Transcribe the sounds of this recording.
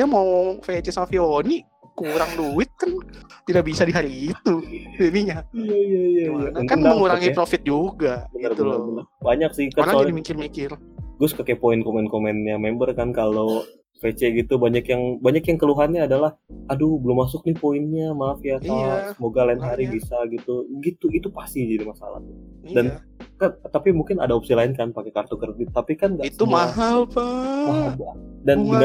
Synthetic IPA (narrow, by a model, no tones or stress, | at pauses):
jamawfet͡ʃɛsamafioni | kuɾaŋluwɪt̪̚kant̪idaʔbisadiɦaɾiːt̪udniɲajaijaijaijaəntkaəŋdməŋuɾaŋipɾofɪt̪̚d͡ʒuɡabənərbt̪uələrbənərbaɲak̚sɪkaaadimikɪrmikɪr | ɡʊskəkepoɪnkomɛnkomɛnjamɛmbərkankalo | pet͡ʃeɡit̪ubaɲakjaŋbaɲakjaŋkəluɦanɲaːdalahʔadubəlʊmːas̬ʊk̚nipoɪnɲamafiat̪asəmoɡalaɪnɦaɾibisaɡit̪uɡit̪uit̪upast̪id͡ʒadimasa̰la̰ht̪dan | kant̪apimuŋkɪna̰daopsilaɪnkanpakekart̪ukərdit̪apikanɡaisumaɦalpaabadanɡa